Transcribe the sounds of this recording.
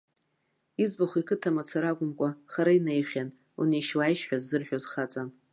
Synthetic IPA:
izbaχʷikʰɨtʰamat͡sʰaɾaɡʷʼʊmkʷʼaχaɾainajχʲan | ṵnejʃwajʃħʷᶣazːɨrħᶣozχat͡sʼan

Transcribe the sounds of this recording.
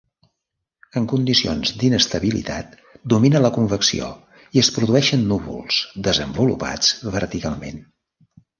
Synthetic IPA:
əŋkund̪isio̰nzd̪inəst̪əβilḭt̪a̰t̪̚ | d̪uminələkuɱfəksḭo̰ | iəspɾuðuɛʃənːuβṵlˠzd̪əzəmbulṵpa̰d͡zβəɾt̪ikalˠmḛn

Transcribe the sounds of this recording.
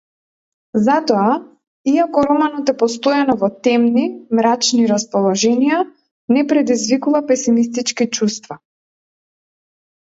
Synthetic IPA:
zat̪ɔa | iakɔɾɔmanɔt̪ɛpɔst̪ojanɔvɔt̪ɛmnimɾat͡ʃniɾaspɔlˠɔʒɛnija | nɛpɾɛd̪izvikuvapɛsimist̪it͡ʃkit͡ʃust̪va

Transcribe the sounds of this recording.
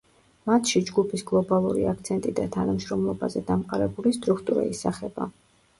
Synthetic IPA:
mat̪ʰʃid͡ʒɡupʰisɡlˠɔbalˠṵɾḭakʰt̪sʰɛnt̪ʼid̪at̪ʰanamʃɾɔmlˠɔbazɛd̪amqʼaɾɛbulist̪ʼɾukʰt̪ʼuɾa̰isaχɛba̰

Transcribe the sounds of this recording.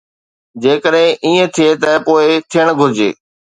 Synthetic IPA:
d͡ʑeːkəɗɦɪ̃ʔiːẽt̪ʰijet̪ɐpoːɪt̪ʰijəɽ̃ɡʱʊɾɪd͡ʑḛː

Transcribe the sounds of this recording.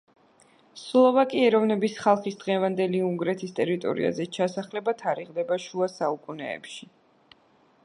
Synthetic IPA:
slˠɔvakʼiɛɾɔvnɛbisχalˠχisd̪ʁɛvand̪ɛliuŋɡɾɛt̪ʰist̪ʼɛɾit̪ʼɔ̰ɾḭa̰zɛt͡ʃʰasaχlɛbat̪ʰaɾiʁd̪ɛbaʃuasaukʼunɛ̰ːpʃi

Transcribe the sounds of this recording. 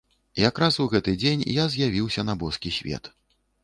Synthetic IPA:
jakɾasuɣɛt̪ɨd͡zʲenʲjazʲjavʲiwsʲɐnɐbɔskʲisʲvʲɛ̰t̪

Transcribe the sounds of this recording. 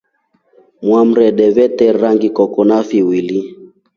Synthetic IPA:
mwam̩ɾɛɗɛvɛtɛɾaŋɡikɔkɔnafiwili

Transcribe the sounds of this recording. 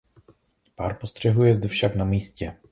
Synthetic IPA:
paːɾpo̞st̪r̝̥ɛɦujɛzd̪fʃaknamiːscɛ

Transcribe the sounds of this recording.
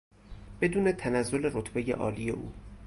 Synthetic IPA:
b̥e̞d̪uːne̞t̪ʰænæzːole̞ɾot̪ʰbe̞jḛʔɒ̰ːlijḛʔuː

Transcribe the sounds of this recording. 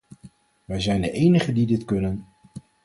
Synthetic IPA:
ʋɛjzɛjndəʔejnəχədidɪtkɵnən

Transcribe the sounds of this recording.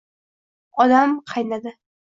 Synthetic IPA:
ɒd̪amqʰɑjnad̪ɪ

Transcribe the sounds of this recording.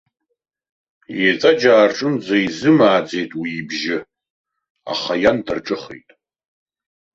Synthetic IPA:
jet͡sʼad͡ʒaːrʈ͡ʂʼɨnd͡zɐjzɨmaːd͡zejtʼwiibʒɪ | a̰χajandɨrʈ͡ʂʼɨχḛtʼ

